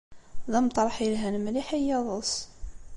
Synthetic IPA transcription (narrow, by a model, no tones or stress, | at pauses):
ðæmt̪ˤːɾˤəħjəlɦænəmliħijɑðˤəs